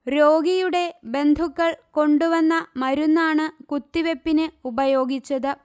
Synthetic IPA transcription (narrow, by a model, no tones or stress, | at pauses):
ɾo̞ːɡijuɽe̞be̞nd̪ʱukːɐɭko̞ɳɖuʋɐnːɐmɐɾunːaːɳɨkut̪ːiʋe̞pːinɨubɐjo̞ːɡit͡ɕːɐðɨ